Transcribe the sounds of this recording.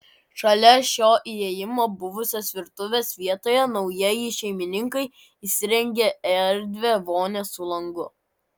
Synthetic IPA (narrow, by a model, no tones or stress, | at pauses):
ʃɐlʲɛʃʲoːʔieːjɪmoːbʊʋʊsʲoːsʋʲɪɾt̪ʊʋʲeːsʋʲiɛt̪oːjɛnɒʊjijɪʃʲɛɪmʲɪnʲɪŋkɐɪ | isʲɪɾʲɛŋʲɡʲeɛɾʲd̪ʲʋʲeʋoːnʲesʊlˠɐŋɡʊ